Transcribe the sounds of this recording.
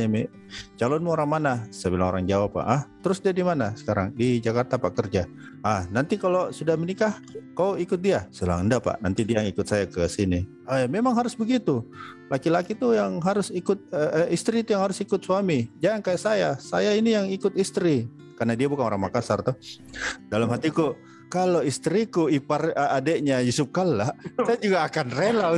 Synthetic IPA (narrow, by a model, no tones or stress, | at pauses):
mi | t͡ʃalɔnmuoɾaŋmanasəbilaŋoɾaŋd͡ʒawapːa̰ʔaht̪əɾʊsdiadimanasə̥kaɾaŋdid͡ʒakart̪apaʔkərd͡ʒa | ʔːhnant̪ikalosudahmənikah | kawikʊt̪̚diasəla̰ŋəndapa̰ʔnant̪idiajŋikʊt̪sajakəsini | ajamemaŋɦaɾʊsbəɡit̪ulakilakit̪ujaŋɦaɾʊsikʊt̪̚əʔist̪ɾiːt̪ujaŋhaɾʊsikʊt̪̚suamid͡ʒaankajaʔsajasajainijaŋikʊt̪ist̪ɾi | karnadiabukanoɾaŋmakasart̪uh | dalamɦat̪iku | kaloist̪ɾikuiparadeʔɲajusʊp̚kalːasajad͡ʒuɡaːkanrela